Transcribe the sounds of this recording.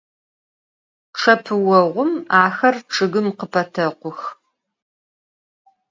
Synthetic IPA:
ʈ͡ʂʰɐpʰɨwɐʁʷʊmaːxɐrʈ͡ʂʰɨɣɨmqəpʰɐtʰɐqʷʊx

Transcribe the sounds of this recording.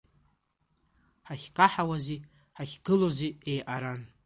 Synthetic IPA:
ħaχʲqʼaħawazi | ħaχʲɡɨloziejʔaɾan

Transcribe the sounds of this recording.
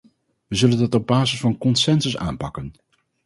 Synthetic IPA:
ʋəzɵləndɑtɔb̚baːzəsfɑnkɔnsɛnsəsa̰ːmpɑkən

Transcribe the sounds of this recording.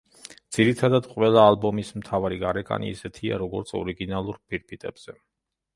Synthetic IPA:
d̪̥z̥iɾit̪ʰad̪ad̪qʼwɛlˠaːlˠbɔmismt̪ʰavaɾiɡaɾɛkʼa̰nḭisɛt̪ʰia̰ɾɔɡɔɾt̪sʰɔ̰ɾiɡinalˠuɾpʰiɾpʰit̪ʼɛb̥z̥ɛ

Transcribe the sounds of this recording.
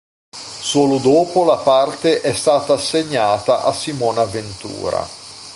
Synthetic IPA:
soːlʊd̪oːpolapart̪eʔɛst̪aːt̪aːsːeɲːaːt̪aʔasimɔːnaːvent̪ṵːɾa̰

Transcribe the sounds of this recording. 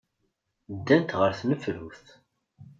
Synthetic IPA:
d̪ːænt̪ʁəɾθnəfɾuθ

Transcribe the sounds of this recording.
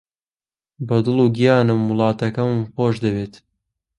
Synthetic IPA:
bɐd̪ɨlˠuɡijɑːnɨmːulˠɑːt̪ɐkɐmxoːʃd̪ɐbeːt̪

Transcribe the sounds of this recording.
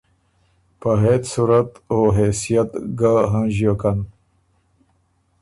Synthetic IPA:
pəɦet̪suɾat̪oɦesijat̪ɡaɦãʑokan

